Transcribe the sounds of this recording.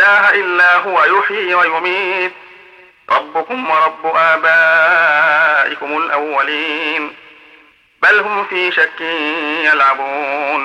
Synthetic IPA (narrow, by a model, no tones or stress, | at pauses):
aːɦaʔɪlːaːɦʊwajʊħiːwajʊmiːt̪̚ | ɾˤɑbːʊkʊmwɑɾˤɑbːʊʔaːbaː | ʔɪkʊmʊlʔawːaliːn | balhʊmfiːʃakːɪjalʕabuːn